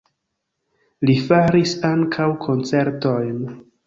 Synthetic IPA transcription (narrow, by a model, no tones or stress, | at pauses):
lifaɾisaŋkʰawkʰo̞nt͡se̞ɾto̞jn